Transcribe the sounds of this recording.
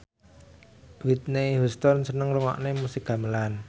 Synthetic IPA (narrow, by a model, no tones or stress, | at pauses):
wit̪̚neɦust̪ɔnsənəŋɾəŋɔ̰ʔnemusikɡa̤məlan